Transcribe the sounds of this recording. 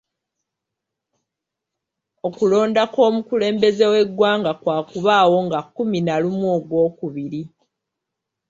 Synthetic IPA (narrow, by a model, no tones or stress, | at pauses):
o̞kulo̞ːndako̞ːmukule̞ːmbe̞ze̞we̞ɡwaːŋɡakwaːkuβaːwo̞ŋɡakːuminalumuoːɡwo̞ːkuβiɾi